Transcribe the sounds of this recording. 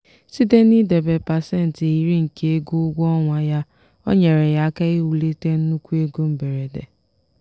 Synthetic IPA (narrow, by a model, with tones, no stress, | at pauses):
si˦de˦ni˦de˨be˨pa˨se˦˨n̩˨te˨ji˨ɾi˦ŋ̩˨ke˦e˦ɡu˦ʊ˦ɡʷɔ˦ŋʷa˦ja˦ | ɔ̰˦ɲe˨ɾe˨ja˦ka˦e˦u˨le˦te˦n̩˦nu˦kʷu˦e˦ɡo˦m̩˦be˨ɾe˨dḛ˨